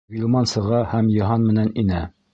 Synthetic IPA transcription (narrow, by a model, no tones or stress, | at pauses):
ɡʲilʲˠmɑnsɤ̆ʁɑhæmjɤ̆ɦɑnmɘ̆næninæ